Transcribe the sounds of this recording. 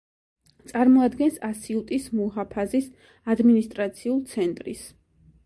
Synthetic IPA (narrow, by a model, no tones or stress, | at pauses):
t̪sʼaɾmɔad̪ɡɛnsasiut̪ʼismuɦapʰazis | ad̪minist̪ʼɾat̪sʰiulˠt̪sʰɛnt̪ʼɾḭs